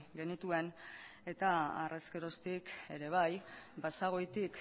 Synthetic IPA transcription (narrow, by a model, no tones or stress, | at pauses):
ɡe̞nit̪ue̞ne̞t̪aa̰re̞ske̞ɾo̞st̪ike̞ɾe̞β̞ajbasaɣ̞o̞jt̪ik